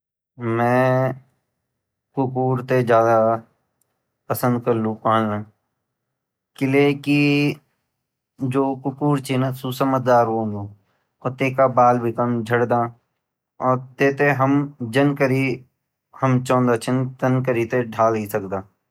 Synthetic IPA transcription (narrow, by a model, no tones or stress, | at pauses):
mɛ̃ː | kʊkuːɾt̪ed͡ʒjaːd̪a | pəsə̃nd̪̚kɐɾlũpaːnna | kɪleki | d͡ʒoːkʊkuːɾt͡ʃʰinasusəmət̪̚d̪aːɾɦõːɡoː | oːɾt̪eːkabaːlbʱikəmd͡ʒʱɐɽd̪aː | ɔːɾt̪eːt̪eɦəmd͡ʒɐnkəɾi | həmt͡ʃɔ̃ːnd̪at͡ʃʰənt̪ɐnkəɾit̪eɖʱaːlɦisɐkd̪aː